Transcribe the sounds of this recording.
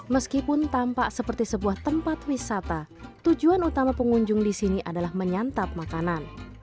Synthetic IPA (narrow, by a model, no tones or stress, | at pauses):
məskipʊnt̪ampaʔsəpərt̪isəbuaht̪əmpat̪wisat̪a | t̪ud͡ʒuanut̪amapəŋuɲd͡ʒʊŋdisiniʔadalahməɲant̪ap̚makanan